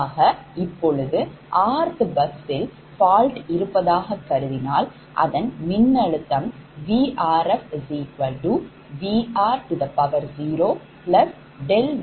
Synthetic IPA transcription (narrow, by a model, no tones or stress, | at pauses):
ɣɐɪpːɔɻɯðɯʔaːɾt̪ɯbɐksɪl | faːlʈɪɾɯpːɐðaːɣɐkːɐɾɯðɪnaːl | ʔɐ̰ðɐnmɪnːɐɻɯt̪ːɐmʋiːʔaːɾɛfziːkʋɐlɖuː | ʋiːʔaːɾʈɯðɐpɐʋɐɾziːɾoː | pɭɐs | ɖɛl